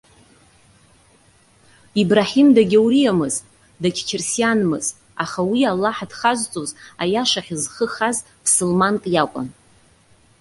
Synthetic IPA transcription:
ibraħimdaɡʲawɾijamɨzʼ | dakʲʰt͡ʃʰɪrsjanmɨz | aχawialːaħdχazʷt͡sʼozajaʂaχʲizχəχaz | pʰsɨlmantʼjakʷʼʊ̰n

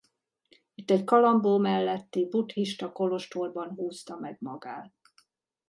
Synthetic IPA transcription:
it̪ːɛckɒlɒmboːmɛlːɛt̪ːibut̪hiʃt̪ɒko̞lo̞ʃt̪oːrbɒnɦuːst̪ɒmɛɡ̚mɒɡaːt̪̚

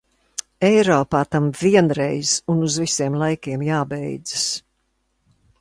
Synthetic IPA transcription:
ɛjɾɔːpaːt̪amviɛnɾɛjz̥unuzvisiɛmlˠajkʲiɛmjaːbɛjd̪zɨs

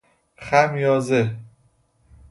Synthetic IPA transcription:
χæmjɒːze

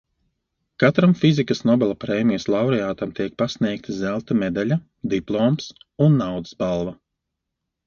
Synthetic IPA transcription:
kat̪ɾamfizikɐsnɔbʲɛlˠapɾeːmijslˠɑwɾɛjaːt̪amt̪iɛk̚pasniɛk̚t̪ʰazælˠt̪amɛd̪alʲa | d̪iplˠɔːmsunːawd̪ɨ̥sbalˠva

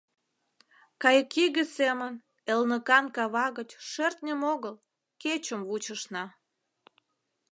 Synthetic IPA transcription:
kɑjəkiɣəsemən | elnəkɑnkɑβɑɣət͡ɕʃert̪nʲəmoɣəl | ket͡ɕəmβut͡ɕəʃnɑ

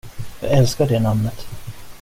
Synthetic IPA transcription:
jɑ̰ɛlskaɖeːnamnət̪

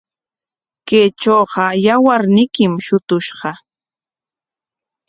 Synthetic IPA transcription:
keːt͡ʃoːɢɑjawaɾnɪkɪmʃʊt̪ʊʃɢɑ

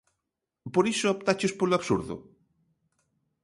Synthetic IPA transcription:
poɾisʊɔp̚t̪at͡ʃʊspoloaβsuɾðʊ̰

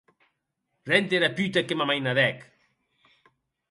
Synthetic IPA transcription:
rɛnt̪eɾapyt̪̬akemamajnaðɛk

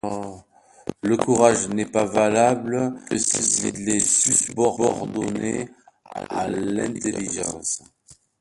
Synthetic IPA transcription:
ləkuʁaʒnɛpavalabləsisilesypɔʁɔʁd̪ɔ̰ne | a̰lɛ̃t̪eliʒɑ̰̃s

